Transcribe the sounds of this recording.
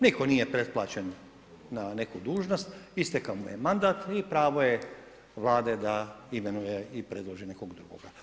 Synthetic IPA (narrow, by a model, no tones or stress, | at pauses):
niko̞nije̞pɾe̞t̪̚plˠa̰ːt͡ɕenː | ane̞kud̪uːʒnost̪ist̪ekaomujemand̪aːt̪ipɾaːʋoje | ʋlˠaːd̪e̞d̪aimenujeipɾe̞d̪lˠoʒine̞koɡd̪ɾuɡo̰ɡa